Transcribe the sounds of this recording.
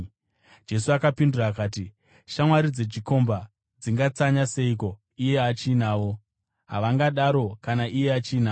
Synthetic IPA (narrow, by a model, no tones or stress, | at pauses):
d͡ʒe̞suakapinduraːkaːti | ʃamwaɾid͡zet͡ʃiko̞mba | d͡ziŋɡat͡saɲase̞iko̞ | ije̞at͡ʃiːnaːwo̞ | ɦa̰ʋaŋɡaɗaɾo̞kanaʔije̞at͡ʃiːnaː